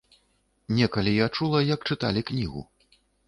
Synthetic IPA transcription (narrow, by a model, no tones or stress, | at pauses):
nʲɛkɐlʲijat͡ʂulˠɐjɐk̚t͡ʂɨt̪a̰lʲiknʲiɣṵ